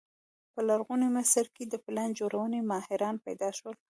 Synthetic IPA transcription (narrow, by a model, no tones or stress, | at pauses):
pəlaɾɣunemasaɾked̪əpland͡ʒoɾʔawənemɑhɪɾɑnpajd̪ɑʃwəl